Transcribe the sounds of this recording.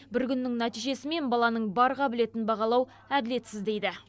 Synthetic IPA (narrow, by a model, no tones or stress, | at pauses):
bɪɾkʲʰʏnːɪŋnæt̪ijʒe̞sɪme̞nbɑlˠɑnəɴbɑɾʁɑbɪle̞t̪ɪnbɑʁɑlˠɑw | æd̪ɪle̞t̪sɪzd̪e̞jd̪ɪ